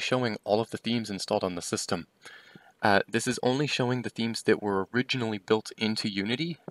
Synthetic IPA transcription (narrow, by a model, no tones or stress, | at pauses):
ʃoʊɪ̃ŋɔlˠʌvðɨθĩmzɨ̃nstɔ̰lˠdn̩ðəsɪstə̃m | ʔðɪsɨzõ̰ʊ̃nliʃoʊɪ̃ŋðɨθĩmzðɨʔwə˞ə˞ɪd͡ʒɨn̩l̩ˠibɪlˠtʰɪ̃ntʰʉjʉnɨɾi